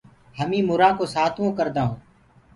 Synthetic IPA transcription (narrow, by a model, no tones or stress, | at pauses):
həmĩːmʊɾãːkoːsaːt̪ʰõːkəɾd̪aːɦõː